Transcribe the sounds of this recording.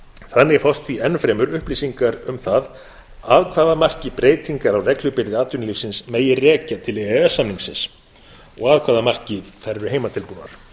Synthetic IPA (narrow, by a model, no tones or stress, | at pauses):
θanːɪfawst̪viɛnfɾɛːmʏɾʏhpliːsiŋkaɾʏmθað | aðkʰvaːðamar̥cɪpɾeːjt̪iŋkaɾawrɛklʏpɪɾðɪaːt̪ʏnlifsɪnsmeːjɪrɛːcat̪ʰɪlɛɛsːamniŋksɪ̰ns | ɔɣaːðkʰvaːðamar̥cɪθɛrːʏheːjmat̪ʰɪlpuːna̰ɾ̥